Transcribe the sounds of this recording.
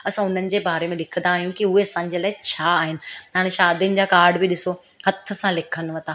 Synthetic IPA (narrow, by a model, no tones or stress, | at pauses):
ɐsãʊn̤ənɪ̆d͡ʑeːbaːɾemẽlɪkʰə̃nd̪aːɦijũkiʊɦeɐsãːɲd͡ʑəlaːɪt͡ɕʰaːɦɪnɪ̆aːɽ̃ẽʃaːd̪ijʊnɪ̆d͡ʑaːkaːɾɖbɪɗɪso | hɐt̪ʰə̆sãlɪkʰən̆ʋɐ̃nt̪aː